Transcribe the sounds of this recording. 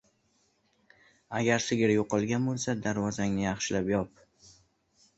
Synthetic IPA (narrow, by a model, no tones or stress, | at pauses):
aɡʲaɾsɪɡʲɪɾjoqɨlˠɡʲanbolˠsad̪aɾvɒzaŋnɪjɑχʃɪlapjɒp̚